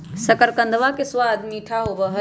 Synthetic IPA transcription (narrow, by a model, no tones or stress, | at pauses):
sɐkəɾkɐ̃nd̪ʋakesʋaːd̪miːʈʰaːɦoʋəɦɐ